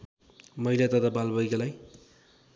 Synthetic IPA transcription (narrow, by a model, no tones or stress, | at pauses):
mʌilat̪ʌt̪abalbʌjkalaj